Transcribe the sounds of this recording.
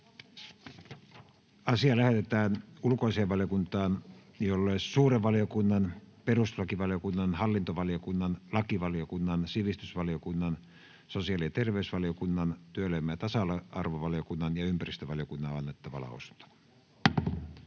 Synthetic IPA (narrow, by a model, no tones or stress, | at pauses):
ɑsiɑlæhet̪et̪æːnulkoiseːʋɑlijokunt̪ɑːn | jolːeːssuːreʋʋɑlijokunːɑnperust̪lɑkiʋɑlijokunːɑnhɑlːint̪oʋɑlijokunːɑnlɑkiʋɑliokunːɑnsiʋist̪ysʋɑliokunːɑn | sosiɑlijɑt̪erʋeysʋɑliokunːɑnt̪yølemːæt̪ɑsɑlɑɑrʋoʋɑlijokunːɑnjɑympærist̪øʋɑlijokunːɑɑnːet̪ːɑʋɑ̰lɑ̰o̰su̥nt̪ɑ̥